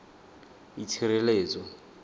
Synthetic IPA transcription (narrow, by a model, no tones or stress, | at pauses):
it͡sʰiɾeleːt͡sʼɔ